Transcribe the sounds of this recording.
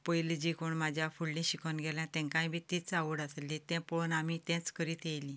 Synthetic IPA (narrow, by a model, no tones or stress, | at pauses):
pəjld͡ʑikoɳmad͡ʑʱjafulnĩɕikʰənɡʱɛljãt̪ɛ̃ŋkãjbʱit̪it͡saʋəɽəslit̪ɛ̃pənamit̪ɛ̃t͡skəɾit̪ejli